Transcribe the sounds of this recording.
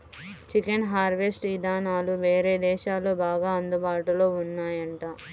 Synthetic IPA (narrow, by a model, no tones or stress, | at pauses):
t͡ʃikenɦaːɾʋesʈid̪aːnaːluʋeːɾeːd̪ɛːʃaːloːbaːɡaːɐnd̪ubaːʈulo̞ːunːaːjɐɳʈaː